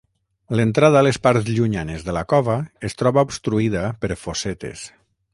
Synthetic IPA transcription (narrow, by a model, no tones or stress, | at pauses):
lənt̪ɾaðaːlespaɾzʎuɲanezðəlakɔβaest̪ɾɔβaupst̪ɾuiðapəɾfosɛt̪ḛs